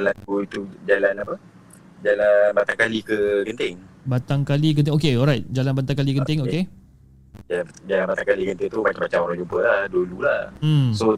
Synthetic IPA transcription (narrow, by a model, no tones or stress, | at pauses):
lakuit̪ud͡ʒalanapə | d͡ʒalanbat̪aŋkalikəkənt̪ɪŋbat̪aŋkalikənɪŋokeɔlɾajt̪̚d͡ʒalanbant̪aŋkalikənt̪ɪŋoke | d͡ʒad͡ʒalanbat̪aŋkalikənt̪ɪŋt̪umat͡ʃamat͡ʃamoɾaŋd͡ʒumpəlahdululahm̩so